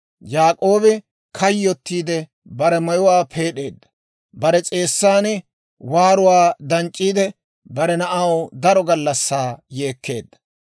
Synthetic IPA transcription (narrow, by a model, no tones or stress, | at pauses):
jaːkʼo̞ːbɛ | kʰɐjːɔt̪ːiːd̪ɛ | bɐɾɛmɐjʊwaːpʰe̞ːɗe̞ːd̪ːɐ̥ | bɐɾɛt͡sʼe̞ːsːaːn | waːɾʊwaːd̪ɐnt͡ʃʼːiːd̪ɛ | bɐɾɛnɐʔɐwd̪ɐɾɔɡɐlːɐsːaːje̞ːkːe̞̰ːd̪ːɐ̥